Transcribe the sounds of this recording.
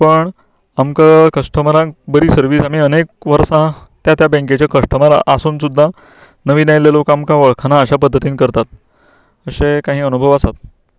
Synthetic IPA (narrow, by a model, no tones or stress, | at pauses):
pəɳ | amkakəʂʈʰəmalãkbəɾiːsəɾʋiːsam̤iːənekʋəɾsãt̪jat̪jabɛ̃ŋket͡ɕjakəʂʈəmala̰ʔːsuːnsud̪ʱːa | nəʋinajlelokamkaʋəɭkʰanaəɕapəd̪ʱːət̪iːnkəɾt̪at̪̚ | əɕekaɦiːənubʱəʋasat̪̚